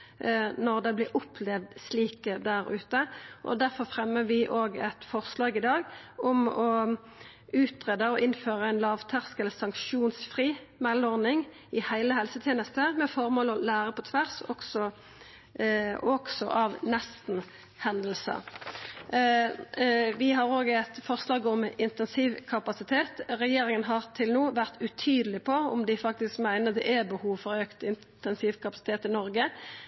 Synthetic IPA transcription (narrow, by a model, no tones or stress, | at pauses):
nɔʁd̪ɛblɪɾʔʊpʰlɛʋd̪sliːkəd̪æʁʉ̰ːt̪əʔɔ̰d̪æʁfɔʁfʁɛmːəʋɪʔoːɡɛt̪fɔʁslɑːɡɪd̪ɑːɡɔmɔ | ʉːt̪ʁeːd̪əɔʔɪnføːʁəæɪnlɑːʋt̪ʰɑʁskɛləsɑŋkʃuːnsfʁiːmɛlɔʁnɪŋ | ɪhæɪləhɛlsət̪ʰjeːnəst̪əmɛfɔʁmoːlɔlæːʁəpʰɔt̪ʰʋæʁsɔɡsɔ | ɔɡsɔ̰ʔɑʋnɛst̪n̩ | hɛnd̪l̩sə̰ | ʋɪɦɑʁoːɡəɛt̪fɔʁslɑːɡɔmɪnt̪ɛnsiːʋkʰɑpɑsɪt̪ʰeːt̪ʁɛjeːɾɪŋənɦɑʁt̪ʰɪlnuːʋæʁt̪ʉt̪ʰyːd̪əlɪpʰɔɔ̰md̪ɪfɑk̚t̪ɪskmæɪnəd̪ɛ̰ʔɛbəhuːʋfɔʁøːkt̪ɪn | t̪ɛnsiːʋkʰɑpɑsɪ̥t̪ʰeːt̪ɪnɔɾɡə